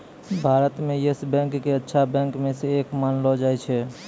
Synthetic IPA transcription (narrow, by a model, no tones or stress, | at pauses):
bʱaːɾət̪mẽjɪsbɛ̃ːŋkːeətːʃʰabɛ̃ːŋkmẽseeːkmaːnlɔd͡ʒaːɛt͡ʃʰɛ